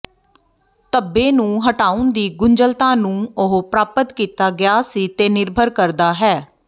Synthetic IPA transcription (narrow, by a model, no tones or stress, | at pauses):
t̪əbːẽːnũːɦəʈaːʊnd̪iːɡʊɲd͡ʒəlt̪ãːnũːʊɦpɾaːpət̪kiːt̪aːɡjaːsiːt̪eːnɪɾbʱəɾkəɾd̪aːɦɛː